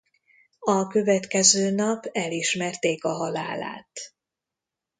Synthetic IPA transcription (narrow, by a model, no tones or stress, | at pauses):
ɒkø̞vɛt̪kɛzøːnɒpɛliʃmɛrt̪eːkɒɦɒla̰ːla̰ːt̪